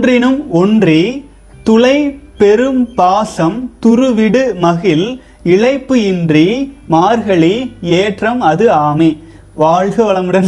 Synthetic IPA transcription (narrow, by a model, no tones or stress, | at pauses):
drɪnɯmɔndri | t̪ʊlɐɪpɛɾɯmpaːsɐmt̪ʊɾɯʋɪɽɯmɐɣɪl | ɪɭɐɪpːɯɪndrimaːɾɣɐɭieːʈrɐmɐðɯaːme | ʋaːɻɣɐʋɐɭɐmɯɽɐn